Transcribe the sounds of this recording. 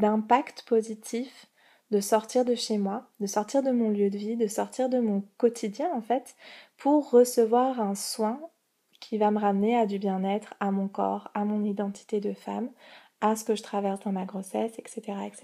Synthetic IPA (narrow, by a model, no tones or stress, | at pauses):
d̪ɛ̃pakt̪pozit̪ʰif | d̪əsɔʁt̪iʁd̪əʃemwad̪əsɔʁt̪iʁd̪əmɔ̃ljød̪əvid̪əsɔʁt̪iʁd̪əmɔ̃kɔt̪ʰid̪jɛ̃ɑ̃fɛt̪pʰuʁːəsəvwaʁɛ̃swɛ̃ | kʲʰivaməʁamnead̪ybjɛ̃nɛt̪χamɔ̃kɔ̰ːʁamɔ̃nid̪ɑ̃t̪ʰi̥t̪ed̪əfa̰m | asə̥kəʒət̪χavɛʁsd̪ɑ̃maɡʁosɛsɛkset̪eʁaɛkse